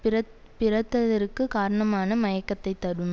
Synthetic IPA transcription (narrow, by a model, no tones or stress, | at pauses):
ɐ | pɪɾɐt̪ːɐðɐɾɯkːɯkaːɾɐɳɐmaːnɐmɐjɐkːɐt̪ːɐɪt̪ːɐɽɯm